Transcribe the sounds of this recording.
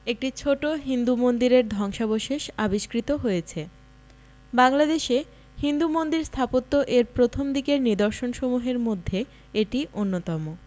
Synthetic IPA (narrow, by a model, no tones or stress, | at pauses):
ek̚ʈit͡ɕʰoʈoɦind̪umond̪iɾeɾd̪ʱɔŋʃaboʃeʃabiʃkɾit̪oɦojet͡ɕʰe | baŋlad̪eʃe | hind̪umond̪iɾst̪ʰapot̪ːoʔeɾpɾot̪ʰomd̪ikeɾnid̪oɾʃonʃomuɦeɾmod̪ʱːe | eʈiʔonːot̪ɔmo